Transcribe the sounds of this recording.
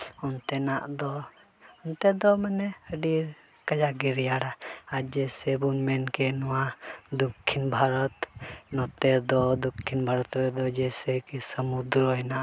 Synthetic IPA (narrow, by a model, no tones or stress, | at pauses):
ɔnt̪ɛnaʔd̪ɔ | ɔnt̪ɛd̪ɔmanɛəɖiɾ | kəd͡ʒaɡiɾjaɽaad͡ʒɛsɛbunmɛnkɛnɔwad̪ukʰːinbʱaɾɔt̪nɔt̪ɛɾd̪ɔd̪ukʰːinbʱaɾɔt̪ɾɛd̪ɔd͡ʒɛsɛkisəmud̪ɾɔɦɛnaʔ